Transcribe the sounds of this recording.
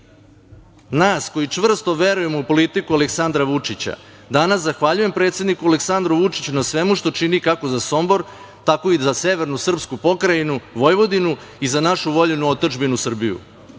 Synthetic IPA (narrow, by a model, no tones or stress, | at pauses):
naːsko̞jit͡ʂʋr̩st̪o̞ʋe̞ɾuje̞moupo̞lit̪ikualeksand̪ɾaʋut͡ʂit͡ɕa̰ | d̪anaszaxʋaʎujempɾet̪sje̞d̪nikualeksand̪ɾuʋut͡ʂit͡ɕunasʋe̞muʃt̪o̞t͡ʂinikakozaso̞mbo̞ɾ | t̪ako̞izase̞ʋe̞ɾnusr̩pskupo̞kɾajinuʋo̞jʋo̞d̪inu | izanaʃuʋo̞ʎenuot̪oʒbinusr̩bijṵ